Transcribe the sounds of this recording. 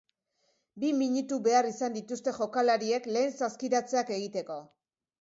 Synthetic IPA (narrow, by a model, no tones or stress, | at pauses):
bimiɲut̪uβe̞arisand̪it̪ust̪e̞ʝo̞kalaɾie̞kle̞ːnsaskiɾat͡se̞ake̞ɣ̞it̪e̞ko̞